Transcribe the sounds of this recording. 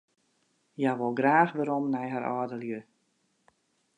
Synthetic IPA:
jaʋɔlˠɡraːxʋəɾɔmnɛjɦaɾɔ̰ːdəljø

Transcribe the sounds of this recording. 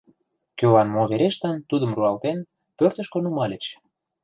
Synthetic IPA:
kølɑnmoβeɾeʃt̪ɑnt̪ud̪ə̆mruɑlt̪en | pørt̪ə̆ʃkŏnumɑlʲĕt͡ɕ

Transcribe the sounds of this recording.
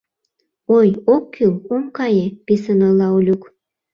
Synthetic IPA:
ojokʰːyomkɑjepisənəlɑulʲuk

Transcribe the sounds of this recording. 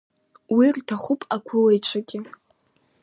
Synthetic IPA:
wirtʰaχʷʊpʼakʷʰʊlejt͡ʃʷʰaɡʲɪ

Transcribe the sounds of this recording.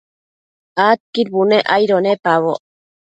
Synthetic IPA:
at̪̚kiɾbuneʔajɾonepaβo

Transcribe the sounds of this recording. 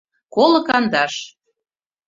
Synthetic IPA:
kolɤ̆kɑnd̪ɑʃ

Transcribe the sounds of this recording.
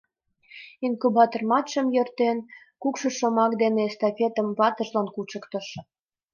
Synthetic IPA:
inkubɑt̪ormɑt̪ʃə̆mjørt̪en | kukʃɤ̆ʃomɑkd̪enest̪ofʲet̪əmβɑt̪ə̆ʒlɑnkut͡ʃə̆kt̪ə̆ʃ

